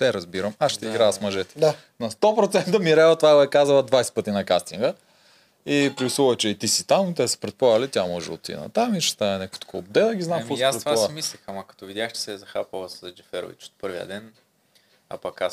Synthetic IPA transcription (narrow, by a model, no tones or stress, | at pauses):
t̪ɛɾɐzbiɾɐmaʃt̪ɛiɡɾaɐsmɐʒɛt̪ɛ̥d̪a | nɐst̪ɔpɾot̪sɛnt̪əmiɾɛlˠət̪ovaɡoɛkazəlˠɐd̪vajsɛ̥pɤt̪inɐkast̪iŋɡə | ipɾivisulˠət͡ʃɛit̪isi̥t̪amt̪ɛsɛ̥pɾɛt̪pˠalʲit̪jamɔʒɛ̰o̰t̪ḭnɐ̰t̪amiʃɛ̥t̪aɛnɛkfo̥t̪o̥kʰɔbd̪ɛdˠəɡʲiznamkɔaspɾɛt̪vamislʲixamɐkɐ̥t̪ɔvid̪ʲjaxt͡ʃɛ̥sɛzɐxapovəszd͡ʒɛfɛɾo̰vḭt͡ʃo̥t̪̚pɤɾviə̰d̪ɛn | ɐ̰pɐkas